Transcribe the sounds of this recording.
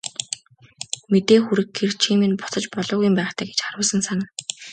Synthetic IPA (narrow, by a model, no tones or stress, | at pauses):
met̪eːxuɾɘ̆kɡert͡ɕʰimĕnpʊ̥t͡sə̆t͡ɕpɔɮʊːɣujmpæːχt̪ʰæːɡet͡ɕχarʊːsə̆nsaŋ̆n